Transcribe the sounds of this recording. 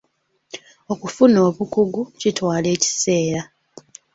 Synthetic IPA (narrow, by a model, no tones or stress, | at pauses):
o̞kufuno̞ːβukuɡucitwaːle̞ːci̥se̞ːɾa